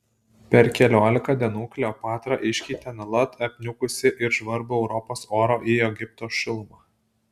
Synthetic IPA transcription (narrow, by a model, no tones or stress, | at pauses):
pʲɛɾkʲɛlʲoːlʲɪkɑːd̪ʲɛnuːkʲlʲoːpɑːt̪ɾɑʔɪʃʲkʲiːt̪ʲɛnʲɐlˠɐt̪ʰɐpʲnʲʊkʊsʲɪʔɪɾʒʋɐɾbʊɛʊɾɔpoːsoːɾoːʔiːɛɡʲɪp̚t̪oːʃʲɪlˠmɑː